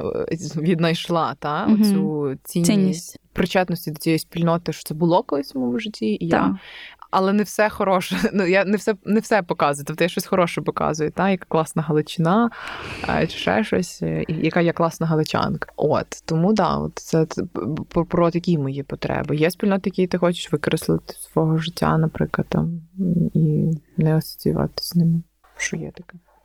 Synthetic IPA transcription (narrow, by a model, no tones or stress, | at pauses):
ʋʲid̪nɐjʃlˠɑt̪ɑɔ̰sʲut͡sʲinʲinʲːisʲtʲpɾɪt͡ʃɛt̪nɔsʲtʲid̪ɔt͡sʲjɛjsʲpʲilʲnɔt̪ɪʃɔ̥t̪sɛbʊlˠɔkɔlˠɪsʲmɔʋuʐɪtʲːiija̰ɐlˠɛnɛwsɛxɔɾɔʃɛnujanɛwsɛnɛwsɛpɔkɑzʊjɛt̪ɔpt̪ɔjaʃt͡ʃɔsʲxɔɾɔʃɛpɔkɑ̰zʊjɛt̪ɑjɐkḁklˠɑsnɐɦɐlˠɪt͡ʃɪnɑ̰ | t͡ʃʃɛ̰ʃɔ̰sʲjɐkajaklˠɑsnɐɦɐlˠɐt͡ʃɑ̰nkɐ̥o̰t̪t̪ɔmud̪ɑ̰ɔ̰t̪sɛ | pɾɔt̪ɐkʲijmɔjipɔt̪ɾɛ̰bɐjɛsʲpʲilʲnɔt̪ʊjɐkʲijit̪ɪxɔt͡ʃɪ̥ʃʋɪkɔɾʔɪslˠɪt̪ɪ̥sʋɔɦɔʒɪtʲːa̰nɐpɾɪ̰klˠɐd̪t̪ːɑ̰minɛɔsɪ̥t͡sʲḭʋɑ̰t̪ɪ̥z̥nɪm | ʃɔjɛ̰t̪ɐ̥kɛ